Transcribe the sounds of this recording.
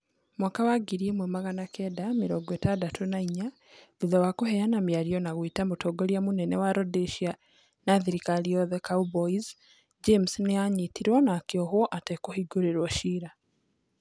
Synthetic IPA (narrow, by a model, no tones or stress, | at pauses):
mwakawaɡiɾiemwemaɣanakɛdamiɾoɡwetadatonaiɲa | ðuðawakoɦejanamjaɾjɔnaɣwitamutoɡoɾiamunenɛwaɾodiʃia | naðiɾikaliɔðekauboiz | d͡ʒemsneaɲitiɾwɔnakioɦoʔatekohiɡoɾeɾwɔʃiːɾa